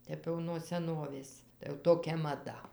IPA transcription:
ˈtʲɛp jɛʊ nuɔ sʲɛˈnoːʋʲeːs tɐɪ jɛʊ ˈtoːkʲɛ mɐˈdɐ

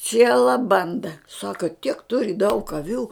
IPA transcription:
ˈt͡sʲiɛlˠɐ ˈbɐndɐ ˈsɑːkɐ tʲiɛk ˈtʊrʲɪ dɐʊk ɐˈʋʲuː

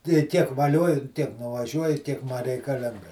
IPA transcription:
tɐɪ ˈtʲiɛk ʋɐˈlʲoːjʊ ˈtʲiɛk nʊʋɐˈʒʲuɔjʊ ˈtʲiɛk mɐ rʲɛɪkɐˈlʲɪŋɡɐ

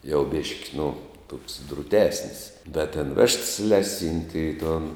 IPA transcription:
jɛʊ ˈbʲeːʃʲkʲɪ nʊ toːks drʊˈtʲæːsʲnʲɪs dɐ tʲɛn ˈʋʲɛʃts ˈlʲæːˌsʲiːnʲtʲɪ ɪ toːn

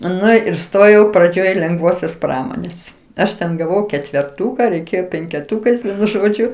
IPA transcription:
ˈnʊ ɪr ˈstoːjɛʊ prɐˈd͡ʒʲoːj lʲɛŋɡˈʋoːsʲoːs ˈprɑːmoːnʲeːs ˈɐʃ tʲɛn ɡɐˈʋɐʊ kʲɛtʲʋʲɛrˈtuːkɐ rʲɛɪˈkʲeːjoː pʲɛŋʲkʲɛˈtuːkɐɪs ʒoːˈd͡ʒʲʊ

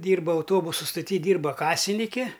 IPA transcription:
ˈdʲiːrbɐ ɐʊˈtoːbʊsʊ stoːˈtʲiː ˈdʲiːrbɐ ˈkɑːsʲɪnʲɪkʲɪ

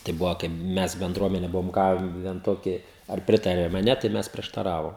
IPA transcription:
tɐɪ ˈbʊʋoː kɐɪp ˈmʲɛs bʲɛnˈdruɔmʲɛnʲɛ ˈbʊʋoːm ˈɡɑːʋʲɛn ˈtoːkʲɪ ɐr ˈpʲrʲɪtɐrʲɛm ɐ ˈnʲɛ tɐɪ ˈmʲɛs pʲrʲiɛʃtɐˈrɑːʋoːm

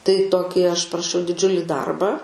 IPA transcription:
tɐɪ ˈtoːkʲɪ ɐʃ pɐrɐˈʃʲɛʊ dʲɪˈd͡ʒʲʊlʲɪ ˈdɐrbɑː

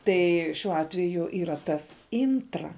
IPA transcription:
ˈtɐɪ ʃʲuɔ ˈɑːtʲʋʲɛjʊ iːrɐ ˈtɐs ˈɪntrɐ

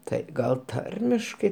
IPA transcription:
ˈtɐɪ ˈɡɐlˠ ˈtɐrʲmʲɪʃkɐɪ

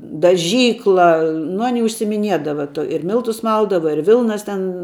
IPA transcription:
dɐˈʒʲiːklˠɐ nʊ ˈɑːnʲɪ ʊʃʲsʲɪɪmʲɪˈnʲiɛdɐʋɐ tuɔ ɪr ˈmʲɪlˠtʊs ˈmɐlˠdɐʋɐ ɪr ˈʋʲɪlˠnɐs ˈtʲɛn

